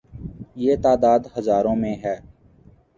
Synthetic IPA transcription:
jeːt̪aːd̪aːd̪həzaːɾõːmẽɦɛː

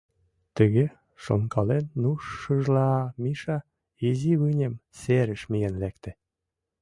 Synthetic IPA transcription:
t̪ə̆ɣe | ʃo̰nkɑlenːuʃːɤʒlɑmiʃɑ | iziβɯnʲemseɾə̆ʃmijenlæk̚t̪ĕ

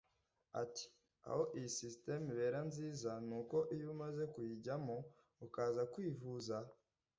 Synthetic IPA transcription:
a̰ti̥ | a̰ho̞ʔijisiste̞miβe̞ːɾanziːzanuːko̞ʔijumaze̞kujiɟamo | ukaːzakwiːvuza

